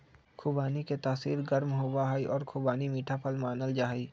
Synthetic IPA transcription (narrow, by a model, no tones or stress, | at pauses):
kʰʊbaːniket̪aːsḭːɾɡəɾmɦoːbaɦaiʔɔːɾkʰubaːnimiːʈʰapʰəlmaːnəld͡ʒaːɦiː